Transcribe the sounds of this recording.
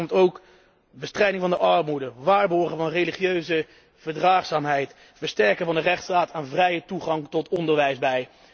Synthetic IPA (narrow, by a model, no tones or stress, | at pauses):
mtowk | bəstrɛjdɪŋvɑndəʔɑɹmudəʋaːɹbɔɹχəvɑnrejliχiøɥzə | v̥əɹdraːχsaːmɦɛjt | fəɹstɛɹkəvɑndərɛχtstaːtʰaːnvrɛjətuχɑŋtɔtɔndəɹʋɛjzbɛj